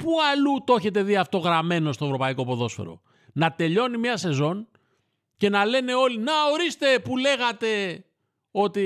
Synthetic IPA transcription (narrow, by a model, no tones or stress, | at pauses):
puɐlut̪o̞çe̞t̪e̞ðiɐft̪o̞ɣɾɐme̞no̞st̪ovɾo̞pɐiko̞po̞ðo̞sfḛɾo̞̰ | nɐt̪e̞ʎo̞nimiɐse̞zo̞n | ce̞nɐle̞ne̞o̞linɐo̞ɾist̪e̞pule̞ɣɐt̪e̞ | o̞t̪i